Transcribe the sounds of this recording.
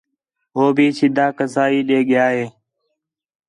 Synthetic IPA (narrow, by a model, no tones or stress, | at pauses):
ɦoːbʱiːsʰɪd̪aːkəzaːiːɗeːɠɪjaːɦeː